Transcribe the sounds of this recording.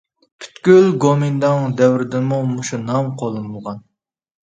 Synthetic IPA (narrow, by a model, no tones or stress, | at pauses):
pʰy̥t̪kʲylɡomind̪ɑŋd̪ɛwɾɪd̪ɪnmumuʃunɑmqʰolˠɨnulˠʁɑn